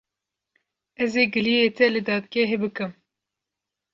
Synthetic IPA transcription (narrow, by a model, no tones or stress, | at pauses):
ɛzeːɡɨlijet̪ɛlɨd̪ɑːd̪̚ɡʲɛɦebɨkɨm